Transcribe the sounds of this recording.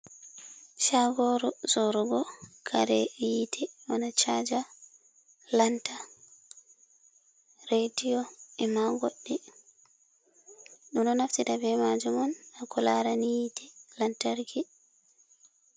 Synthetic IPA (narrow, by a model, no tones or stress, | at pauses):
ʃaɡɔɾuzɔɾuɡɔkʰaɾɛjitʰɛwanat͡ʃad͡ʒa | lanta | ɾediɔɛmaɡoɗːi | ɗumɗɔnaftidabɛmad͡ʒumɔnakɔlaɾanijitʰɛlantaɾɡi